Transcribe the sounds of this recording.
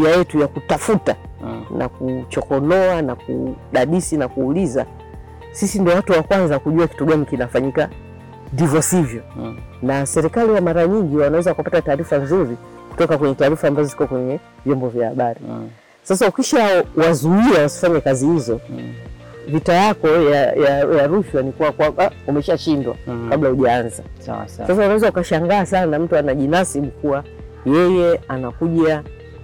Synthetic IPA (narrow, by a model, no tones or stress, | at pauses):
iajɛtujakutafutanʔa̰kut͡ʃɔkɔnɔanakṵɗaɗisinakuːliza̰ | sisindiɔwatuwakwanzakuʄuaki̥tuɡanikinafaɲika | ndivjɔsivjɔ | nasɛɾikaliwamaɾaɲiŋɡiwanawɛzakuwapatataːɾifanzuɾiku̥tɔkakwɛɲɛtaːɾifaːmbazɔzikɔkwɛɲɛ | vjɔmbɔvjahaɓaɾi | sasaukiʃawazuiawasi̥faɲakazihizɔ | vitajakɔjajajaɾuʃwanikuwakwaɓaumɛʃaʃindwa̰kablahuʄaanza̰sasawanawɛzaukaʃaŋɡaːs̬anam̩tuanaʄinasiɓukuwa | jɛjɛanakuʄa